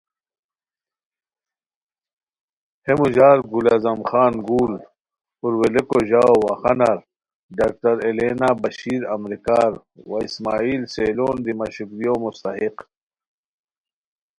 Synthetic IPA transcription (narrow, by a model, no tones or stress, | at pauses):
hemuʑaːɾɡulazɐmxaːnɡuːl | uɾwelekoʑaːowaːxɐnaɾ | ɖaːk̚tɐɾeleːnaːbɐɕiːɾɐmɾikaːɾ | waismaːiːlseːloːnd̪imɐɕukɾijoːmust̪ɐɦiq